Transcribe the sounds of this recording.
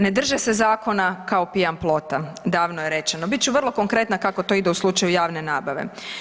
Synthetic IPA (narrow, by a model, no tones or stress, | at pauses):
ne̞d̪r̩ʒese̞zaːko̞nakaopijamplˠo̞t̪ad̪aːʋnojeɾe̞t͡ʃenobit̪̚ʲt͡ʃuʋr̩lˠo̞ko̞ŋkɾe̞t̪nakako̞t̪o̞ːid̪euslˠut͡ʃajujaːʋnenaːbaʋe̞̰